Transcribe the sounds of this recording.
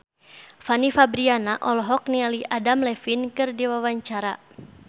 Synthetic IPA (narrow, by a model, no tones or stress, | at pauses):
fanifabɾianaʔɔlɔɦɔk̚nialiʔadamlɛfinkɨrdiwawaɲt͡ʃaɾa